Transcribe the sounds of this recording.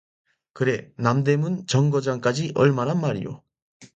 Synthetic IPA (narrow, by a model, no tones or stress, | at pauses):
kɯɾe̞namde̞munt͡ɕʌŋɡʌd͡ʑaŋk͈ad͡ʑiʔʌɭmanɦanmaɾḭjo̰